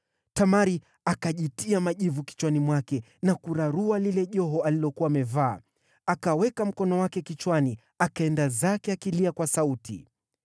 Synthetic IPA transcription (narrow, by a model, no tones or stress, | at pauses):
tamaɾi | akaʄitiamaʄivuki̥t͡ʃwanimwakɛ | nakuɾaɾualilɛʄɔɦɔalilɔkuwaːmɛvaː | akawɛkam̩kɔnɔwakɛkit͡ʃwani | akaɛndazakɛakiliakwasautʰḭ